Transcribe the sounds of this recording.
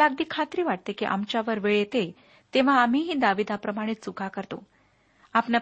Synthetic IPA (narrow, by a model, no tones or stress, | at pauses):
aɡd̪iːkʰat̪ɾiːʋaʈ̚t̪ekiʔa̰mt͡ɕjaʋəɾʋeɭet̪e | t̪eʋ̤aːm̤iɦiːd̪aʋid̪apɾəmaɽ̃it̪sukakəɾt̪o̰ | apɳja